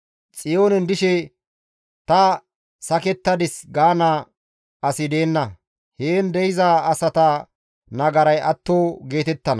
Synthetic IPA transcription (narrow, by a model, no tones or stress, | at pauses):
t͡sʼɪjoːnɛnd̪ɪʃɛ | t̪ɐ | sɐkɛt̪ːɐd̪ɪsɡaːnaː | ɐsɪd̪e̞ːnːɐ | heːnd̪ɛjɪzaːɐsɐt̪ɐ | nɐɡɐɾɐjʔɐt̪ːoːɡe̞ːt̪ɛt̪ːɐnɐ